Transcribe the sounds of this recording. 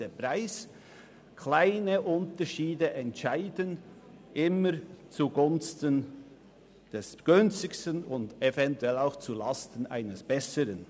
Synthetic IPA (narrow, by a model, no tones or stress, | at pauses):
əpraɪs | kʰlaɪnəʔʊntəʃiːdəʔɛntʃaɪdən | ʔɪməɾt͡suɡʊnstən | d̥ɛsɡ̥ʏnt͡stɪçstənʊndɛvɛntuɛlaʊxt͡sulɑstən̩a̰ɪnəsb̥ɛsəɾən